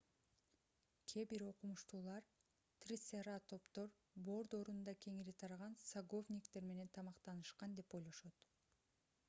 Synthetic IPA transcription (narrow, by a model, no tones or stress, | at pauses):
kʲʰebiɾo̞qumuʃt̪uːlˠɑɾ | t̪rʲiseɾat̪ʰo̞pt̪o̞ɾ | bo̞ɾd̪o̞ɾunnd̪ɑkʲʰe̞ŋiɾit̪ʰɑɾɑʁɑnsaɡo̞vnʲikt̪e̞ɾme̞ne̞nt̪ʰɑmɑqt̪ɑnɯʃqɑnd̪e̞po̞jlˠo̞ʃot̪